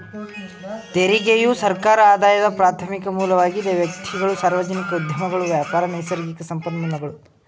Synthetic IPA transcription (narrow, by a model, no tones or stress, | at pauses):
t̪eɾiɡejusɐɾkaːɾɐaːd̪aːjɐd̪ɐpɾaːt̪ʰɐmikɐmuːlɐʋaːɡid̪eʋjɐk̚t̪ʰiɡɐɭusaːɾʋɐd͡ʒɐnikɐud̪ʱjɐmɐɡɐɭuʋjaːpaːɾɐnɐjsɐɾɡikɐsɐmpɐd̪nɐnɐɡɐɭu